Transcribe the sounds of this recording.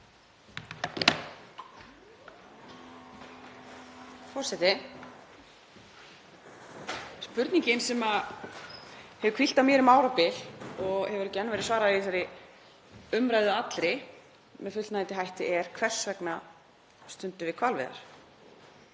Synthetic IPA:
fɔrsɛt̪ɪ | spʏɾt̪niɲcɪnsɛma | hɛvʏkʰvil̥t̪amjɛɾʏmaːwɾapɪlɔɣhɛvʏɾɛcːɛnːavɛɾɪsvaːɾaiθaɾɪ | ʏmɾajðʏat̪lɾɪ | mɛðfʏt̪t̪najt̪ɪɦajht̪ɪʔɛɾ̥kʰvɛr̥svɛkna | st̪ʏnt̪ʏvɪkʰvaːlvɪ̰ða̰ɾ̥

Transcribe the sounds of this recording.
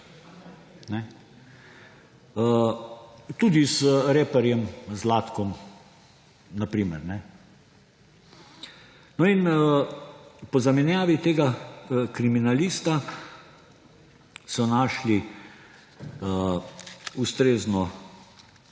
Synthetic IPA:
nɛ | ə | t̪ud̪izɾeːpɛɾjɛmzlaːt̪kɔm | napɾiːmɛɾnɛ | nɔinə | pɔzamɛnjaːʋit̪eːɡakɾiminaliːst̪a | sɔnaːʃli | ə | ust̪ɾeːznɔ

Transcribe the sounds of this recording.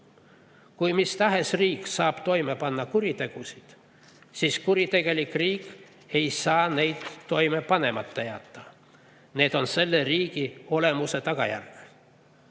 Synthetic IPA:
kujmist̪ɑɦe̞sriːksɑːb̥t̪o̞jme̞pɑnːɑkuɾit̪e̞ɡ̥usid̪̥ | siːskuɾit̪e̞ɡ̥e̞likriːkˑ | e̞jsɑːne̞jd̪̥ːo̞jme̞pɑne̞mɑt̪ːejɑ̰t̪ːˑɑ | ne̞ːd̪̥o̞nse̞lːe̞riːɡ̥io̞le̞muse̞t̪ɑkɑ̰jæ̰rk

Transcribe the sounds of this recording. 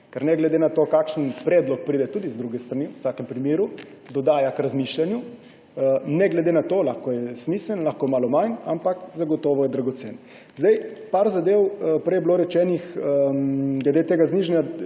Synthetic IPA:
kɛɾnɛɡlɛd̪enat̪oːkakʃənpɾɛːd̪lɔk̚pɾid̪ɛt̪ud̪izd̪ɾuɡɛst̪ɾaniwt̪aːkɛmpɾimeːɾu | d̪ɔd̪aːjakɾazmiʃlanju | nɛɡlɛd̪enat̪olaxkojɛsmiːslənlaxkomaːlɔmajnampakzaɡɔt̪oːʋɔjɛd̪ɾaɡɔt̪sen | zd̪ɛjpaɾzad̪eːwpɾɛjɛbloɾɛt͡ʃɛːnix | ɡlɛd̪et̪eːɡazniʒɛnʲja

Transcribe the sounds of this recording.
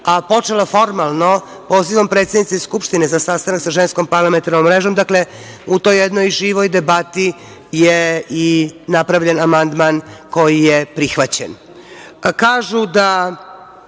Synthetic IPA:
apo̞t͡ʂelafo̞ɾmalˠno̞ | po̞ːziʋo̞mpɾet̪sed̪nit̪seskupʃt̪inezasast̪anaksaʒensko̞mpaɾlˠament̪aɾnomːɾeːʒo̞md̪akle | ut̪o̞jːed̪no̞jʒiːʋo̞jd̪e̞bat̪i | jeinapɾaʋʎenamand̪manko̞jijepɾixʋat͡ɕḛn | kaːʒud̪a

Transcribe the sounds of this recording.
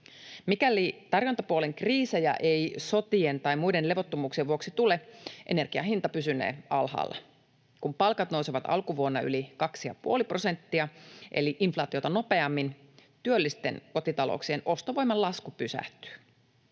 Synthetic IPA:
mikælit̪ɑrjot̪ɑpuole̞ŋkriːsejæ̰ʔe̞jso̞t̪ient̪ɑjmujde̞nle̞ʋot̪ːomuːksieʋuo̞ksit̪ule̞ʔḛne̞rɡ̥iɑɦint̪ɑpysynḛːɑlhɑ̰ːlːɑ̰ | kumpɑlkɑt̪nowseʋɑt̪ɑ̰lkuʋuonːɑʔylikɑksijɑ̰puolipro̞se̞nt̪ːiɑʔe̞̰liʔinflɑːt̪iot̪ɑno̞pe̞ɑmːint̪yølːist̪e̞̰nko̞t̪it̪ɑlo̰ːksienʔo̞st̪oʋo̞jmɑlɑskupysæ̰ht̪y̥

